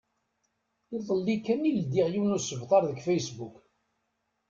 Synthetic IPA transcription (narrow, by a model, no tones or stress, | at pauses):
iðˤəlːikːænild̪iʁjiwnusəvt̪ˤɑɾˤðəɡfæjsbuk